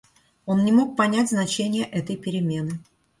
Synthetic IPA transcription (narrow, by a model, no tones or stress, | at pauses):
o̞nːʲɪmo̞k̚pɐnʲætʲznɐt͡ɕenʲɪjəʔɛt̪əjpʲɪɾʲɪmʲe̞nɨ